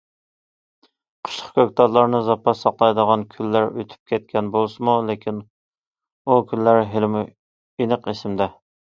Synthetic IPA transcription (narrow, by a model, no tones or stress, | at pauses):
qʰə̥ʃlˠə̥χkʲøk̚ʲt̪ɑɾlˠɑɾnɨzɑpʰɑsɑqlˠɑjd̪əʁɑnkʲʰylːæɾøt̪ʰy̥p̚kʲʰɛt̪̚kʲʰɛnbolˠsɨmulekʲin | ukʲylːæɾɦelmu | enəqesɪmd̪ɛ